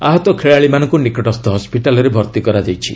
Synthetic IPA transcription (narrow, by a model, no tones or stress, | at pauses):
a̰ɦɔt̪ɔkʰeɭaɭimanɔ̃ŋkunikɔʈɔst̪ɔɦɔspiʈalɔɾebʱɔɾt̪ikɔɾad͡ʒajt͡ʃʰḭ